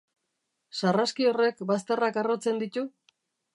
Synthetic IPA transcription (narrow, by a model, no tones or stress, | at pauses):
saraskio̞re̞kbast̪erakarot͡se̞nd̪it̪u